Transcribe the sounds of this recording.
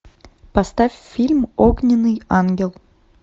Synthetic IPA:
pɐst̪afʲfʲilʲmoɡnʲɪnːɨjanɡʲɪlˠ

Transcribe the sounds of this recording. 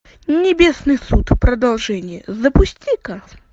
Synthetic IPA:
nʲɪbʲesnɨjsut̪pɾəd̪ɐlˠʐɛnʲɪjəzəpʊsʲtʲika

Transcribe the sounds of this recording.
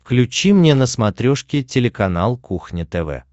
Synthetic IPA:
fklʲʉt͡ɕimnʲenəsmɐt̪ɾʲoʂkʲɪtʲɪlʲɪkɐnalˠkuxnʲɪt̪ɛvɛ̰

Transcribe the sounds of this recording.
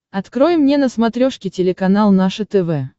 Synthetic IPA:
ɐt̪kɾojɪmːnʲenəsmɐt̪ɾʲoʂkʲɪtʲɪlʲɪkɐnalˠnaʂɨt̪ɛvɛ

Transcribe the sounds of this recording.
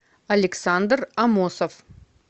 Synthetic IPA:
ɐlʲɪksand̪rɐmosəf

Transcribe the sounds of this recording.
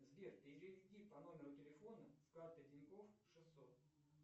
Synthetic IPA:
zbʲerpʲɪɪɾʲɪvʲɪdʲipɐno̞mʲɪɾʊtʲɪlʲɪfo̞nəskart̪ɨdʲɪnʲkofʂɨsːo̞t̪̚

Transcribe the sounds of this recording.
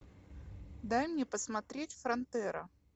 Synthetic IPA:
d̪ajmnʲepəsmɐt̪ɾʲetʲfɾɐnt̪ɛɾə

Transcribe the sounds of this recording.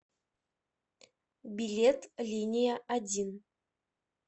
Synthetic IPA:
bʲilʲet̪lʲinʲijaʔadʲin

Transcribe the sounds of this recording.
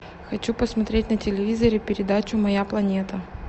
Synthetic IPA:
xɐt͡ɕupəsmɐt̪ɾʲetʲnətʲɪlʲɪvʲizəɾʲɪpʲɪɾʲɪd̪at͡ɕʊmɐjaplˠɐnʲet̪ə

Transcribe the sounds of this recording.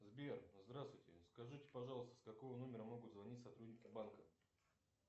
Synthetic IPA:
zbʲerzd̪ɾast̪vʊjtʲɪ̰skɐʐɨtʲɪ̥pɐʐɑlˠəst̪ə̥skɐkovəno̞mʲɪɾəmo̞ɡʊt̪zvɐnʲitʲsɐt̪ɾudʲnʲɪkʲɪbankə

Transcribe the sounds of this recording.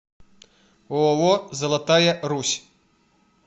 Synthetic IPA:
ɔwɔzɐlˠat̪ajɛɾusʲ

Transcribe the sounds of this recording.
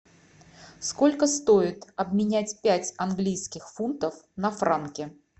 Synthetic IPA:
skolʲkəst̪oɪt̪ɐbmʲɪnʲætʲpʲætʲɐnɡlʲijskʲɪxfunt̪əfnɐfɾankʲɪ

